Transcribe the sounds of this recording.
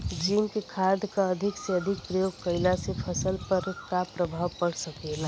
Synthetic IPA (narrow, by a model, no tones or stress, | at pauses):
d͡ʒiːmkekʰad̪kaəd̪ʱɪkseəd̪ʱɪk̚pɾəjoːɡ̚kəɪlasepʰəsəlpəɾkapɾəbʱawpəɽsəkela